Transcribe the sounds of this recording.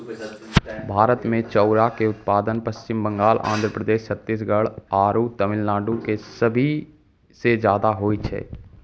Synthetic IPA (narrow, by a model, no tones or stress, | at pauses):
bʱaːɾət̪mẽt͡ʃɔːɾakeʊt̪̚paːd̪ənpəst͡ʃɪmbə̃ŋɡaːlʔã̰ːnd̪ʱɾəpɾəd̪eːʃsət̪ːis̬ɡəɭaːɾut̪əmɪlːãːɖukesəbʱi | sed͡ʒjaːd̪aɦoːit͡ʃʰɛ̰ː